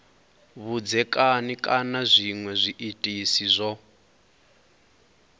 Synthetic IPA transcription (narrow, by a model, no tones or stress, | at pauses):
βud͡zɛkʼanikʼanazʷiŋwɛzʷiʔitʼisizʷɔ